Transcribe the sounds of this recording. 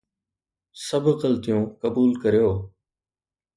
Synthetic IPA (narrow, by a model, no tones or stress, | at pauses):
səbʱɣəlt̪ɪjũːkəbuːlkəɾjoː